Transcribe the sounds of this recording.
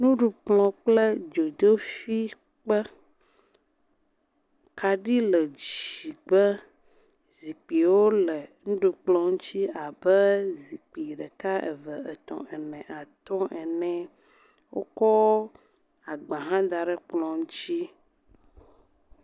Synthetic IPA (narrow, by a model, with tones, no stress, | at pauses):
nũ˦ɖu˨k͡plɔ̃˨k͡ple˦d͡ʒo˨d̪o˦fi˦ | k͡pə˦ | ka˨ɖi˦lə˨d͡ʒi˨ɡ͡bə˦ | zi˨k͡pi˨wo˦lɛ˨ŋũ˦ɖu˨k͡plɔ̃˨ŋ̩̃˦t͡ɕi˦a˨bɛ˦zi˨k͡pi˨ɖɛ˨ka˦ʔḛ˨və˨ə˨t̪ɔ̰̃˨ʔɛ˨nɛ̃˨ʔa˨t̪ɔ̃˦ʔɛ˨nɛ̃˨ | wo˦kɔ˦ | a˨ɡ͡bã˨ɦã˦d̪a˨ɖɛ˦k͡plɔ̃˨ŋũ˦t͡ɕi˦